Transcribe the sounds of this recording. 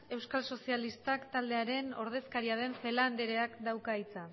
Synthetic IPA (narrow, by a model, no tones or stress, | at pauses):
e̞wskalso̞sialist̪akt̪ald̪e̞aɾe̞no̞ɾð̞e̞skaɾiað̞e̞ɱfe̞land̪eɾe̞akd̪awkaijt͡sa